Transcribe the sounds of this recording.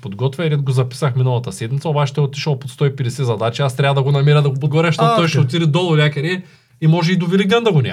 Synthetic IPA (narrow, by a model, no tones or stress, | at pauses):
pod̪ɡɔt̪vʲjɐɾʲɛd̪̚ɡozɐpi̥sɐxminɐlˠɐt̪ɐsɛd̪mit̪sɐobat͡ʃi̥t̪ɛot̪iʃɐlˠpot̪st̪ɔipɛd̪ɛsɛzɐd̪at͡ʃiast̪ɾʲavɐd̪ɐɡonɐmiɾɐd̪ɐɡopod̪ɡovɔɾʲɐʃt̪ot̪ːɔjʃot̪iɾid̪ɔlˠɐɾlʲakɐɾi | imɔʒɛid̪oviliɡ̪ɛnd̪ɐɡonʲa̰